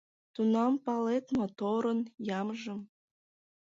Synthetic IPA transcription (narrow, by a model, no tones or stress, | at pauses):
t̪unɑmpɑlet̪mot̪oɾɤnjɑmʒə̆m